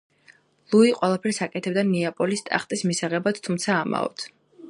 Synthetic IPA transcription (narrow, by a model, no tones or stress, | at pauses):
lˠuiqʼwɛlˠapʰɛɾsakʼɛt̪ʰɛb̚d̪aniapʼɔlist̪ʼa̰χt̪ʼismisaʁɛbat̪t̪ʰumt̪sʰaːma̰ɔ̰t̪ʰ